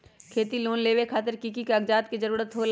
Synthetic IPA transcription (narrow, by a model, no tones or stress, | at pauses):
kʰeːt̪iloːnleːʋekʰaːt̪ɪɾkikikeəɡd͡ʒaːt̪kizəɾuːɾət̪ɦoːl